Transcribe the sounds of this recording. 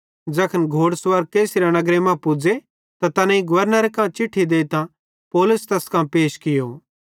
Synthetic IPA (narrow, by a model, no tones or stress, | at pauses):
d͡ʒɐkʰənɡʱoːɽsʋɐɾkeːsiɾanɐɡɾemãpʊd͡ze | t̪at̪ɐnãĩɡʊʋəɾnəɾekãːt͡ʃɪʈʰːid̪eːt̪ã | poːlʊst̪ɐskãːpeːʃkɪjo